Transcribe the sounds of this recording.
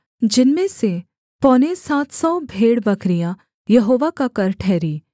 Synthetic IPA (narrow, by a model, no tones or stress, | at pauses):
d͡ʒɪnmẽse | pɔːnesaːt̪ʰsɔ̃ːbʱeːɽbɐkɾija | jɐɦoːʋakakɐɾʈʰɛːɾiː